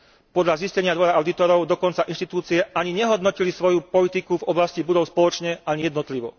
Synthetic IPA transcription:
pɔd̪ʎaziscɛɲɪad̪ʋɔɾaaʊd̪it̪ɔɾɔʊd̪ɔkɔnt͡saʔinʃt̪it̪uːt͡siɛʔaɲiɲɛɦɔd̪nɔcilisʋɔjupɔlit̪ikuvɔblascibud̪ɔʊspɔlɔt͡ʃɲɛʔaɲijɛd̪nɔt̪liʋɔ̰

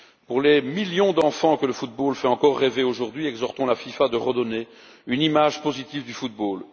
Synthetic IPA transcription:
puʁlɛmiljɔ̃d̪ɑ̃fɑ̃kələfut̪̚bolfɛɑ̃kɔʁːeveoʒuʁd̪ɥiɛɡzɔʁt̪ɔ̃lafifad̪əʁəd̪ɔne | ynimaʒpozit̪ivd̪yfut̪̚boːl

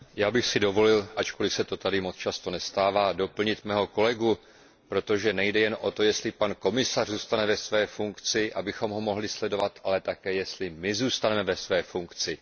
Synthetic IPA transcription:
jaːbɪxsɪdo̞vo̞lɪlʔat͡ʃko̞lɪsɛt̪o̞t̪adɪmo̞t͡st͡ʃast̪o̞nɛst̪aːvaːdo̞pl̩ɲɪt̪mɛːɦo̞ko̞lɛɡu | pɾo̞t̪o̞ʒɛnɛjdɛjɛnʔo̞t̪o̞jɛst̪lɪpanko̞mɪsarzuːst̪anɛvɛsvɛːfuŋkt͡sɪʔabɪxo̞mɦo̞mo̞ɦlɪslɛdo̞vat̪ʔalɛt̪akɛːjɛst̪lɪmɪzuːst̪anɛmɛvɛsvɛːfuŋkt͡sɪ

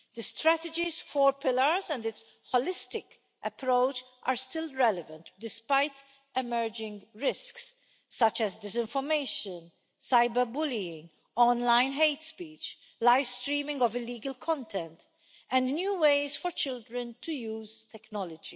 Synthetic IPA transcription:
d̪̥əst̪ɾæt̪ɛd͡ʒizfɔɹpɪləɾzɛ̃nd̪ɪts | hɔlɪst̪ɪk | ʔɛpɾoʊt͡ʃ | ʔaɾst̪ɪlɹɛlɛvə̃nt̪d̪ɪspajt̪ | ɛmɛɹd͡ʒɪ̃ŋɡɹɪsksː | ɐt͡ʃɛzd̪ɪs̬ɪ̃ɱfɔɾmeɪʃə̃n | saɪbəɾbʊliɪ̃ŋɡ | ɔ̃nlãɪ̃nɦeɪt̪spiːt͡ʃ | laɪfst̪ɾiːmɪ̃ŋɡɔvɪlːiːɡəlkʰɔ̃nt̪ʰɛ̃nt̪ | ɛ̃nd̪njuːweɪzfɔɾt͡ʃɪld̪ɾə̃nt̪ʰujuːz̥t̪ɛknɔlɔd͡ʒi

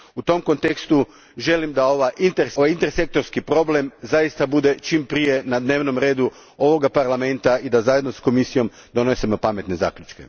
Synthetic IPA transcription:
ut̪o̞mko̞nt̪e̞kst̪u | ʒe̞limd̪aoʋaʔint̪eɾajint̪eɾse̞k̚t̪oɾskipɾo̞ble̞mzajist̪abud̪e̞t͡ʃimpɾije̞nad̪ne̞ʋno̞mɾeːd̪u | o̞ʋo̞ɡapaɾlˠame̞nt̪aid̪azaje̞d̪no̞sko̞misijo̞m | d̪o̞nosimo̞pame̞t̪ne̞za̰ːklʎut͡ʃkḛ

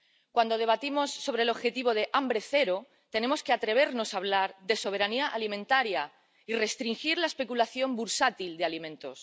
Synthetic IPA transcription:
kwand̪o̞ð̞e̞β̞at̪imo̞sːo̞β̞ɾelo̞βxe̞t̪iβ̞o̞ð̞e̞ʔambɾeθe̞ɾo | t̪ene̞moskeat̪ɾe̞β̞e̞ɾno̞saβ̞laɾðe̞so̞β̞e̞ɾaniaʔalimẽnt̪aɾja | ire̞st̪ɾiŋxiɾlaespe̞kulaθjo̞mbuɾsat̪ild̪ealimẽ̞nt̪o̞s

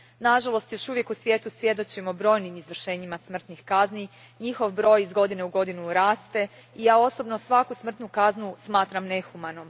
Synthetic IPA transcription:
naʒalˠo̞st̪jo̞ʃuʋje̞kusʋjet̪usʋje̞d̪o̞t͡ɕimobɾo̞ːjnimizʋr̩ʃe̞ːɲimasmr̩t̪nixkazni | ɲixo̞ʋbɾo̞ːjizɡo̞d̪ine̞uɡo̞d̪inuɾaːst̪e̞ijaːo̞sobnosʋakusmr̩t̪nukaznusmaːt̪ɾamne̞xumanom

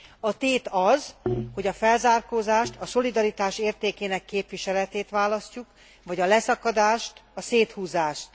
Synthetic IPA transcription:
ɒt̪eːt̪ɒzho̞ɟɒfɛlzaːrkoːzaːʃt̪ɒso̞lid̪ɒɾit̪aːʃeːrt̪eːkeːnɛkːeːpʋiʃɛlɛt̪eːt̪ʋaːlɒscuk | ʋɒɟɒlɛsɒkɒd̪aːʃt̪ɒseːt̪huːzaːʃt̪

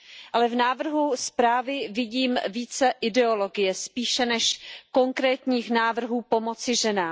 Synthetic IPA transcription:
ʔalɛvnaːvr̩ɦuspɾaːvɪvɪɟiːmviːt͡sɛʔɪdɛo̞lo̞ɡɪjɛspiːʃɛnɛʃko̞ŋkɾɛːt̪ɲiːxnaːvr̩ɦuːpo̞mo̞t͡sɪʒɛnaː

